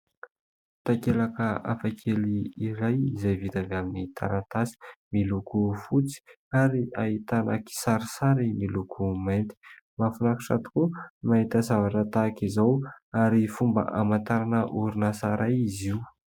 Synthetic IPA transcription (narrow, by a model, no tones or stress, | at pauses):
t̪akelakəa̰fakʰeliiɾajizajvit̪avaminit̪ʰa̰ɾant̪asi̥milukufut͡si̥ | aɾiait̪ana̰ki̥saɾisaɾimilukʰumant̪i̥ | mafunakiʈ͡ʂa̰t̪u̥kumait̪azavaʈ͡ʂət̪akizawaɾifumbə̰ʔamant̪aɾanəʔuɾunasaɾajiziw